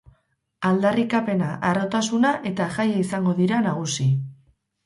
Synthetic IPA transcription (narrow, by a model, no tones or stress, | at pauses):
ald̪arikape̞naʔaro̞t̪asunaʔe̞t̪aʝajaisaŋɡo̞ðiɾanaɣ̞usi